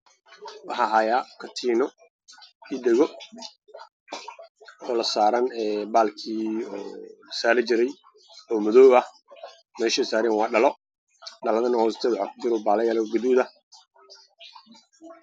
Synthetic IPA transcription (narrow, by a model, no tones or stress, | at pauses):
wɑħɑːɦaːjaːkʰɐt̪ʰiːnɔ | iɗɛɣɔ | ɔːlɐsaːɾɐnɛːbaːlkʰiːɔːsaːɾɪt͡ʃɪɾɛj | ɔːmɔðɔːβɐh | mɛːʃɛsaːɾɛnwɑːɖɐlɔ | ɖɐlɐðɐnɐhɔːst̪ʰɛːd̪ħakʊd͡ʒɪɾɔbaːlɐjalɛɡɐðuːðɐ